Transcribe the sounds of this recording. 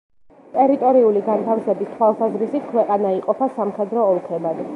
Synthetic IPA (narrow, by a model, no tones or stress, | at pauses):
t̪ʼɛɾit̪ʼɔɾiuliɡant̪ʰafsɛbist̪ʰwalˠsazɾisit̪̚kʰwɛqʼanaiqʼɔpʰasamχɛd̪ɾɔːlˠk̪ʰɛbad̪